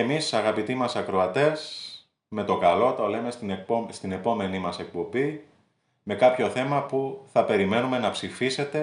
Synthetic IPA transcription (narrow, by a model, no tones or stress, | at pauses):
emisɐɣɐpit̪imɐsɐkɾo̞ɐt̪e̞s | me̞t̪o̞kɐlo̞t̪o̞le̞me̞st̪ipost̪ine̞po̞me̞nimɐse̞k̚po̞bi | me̞kɐpço̞θe̞mɐpuθɐpe̞ɾime̞nume̞nɐpsifise̞t̪e̞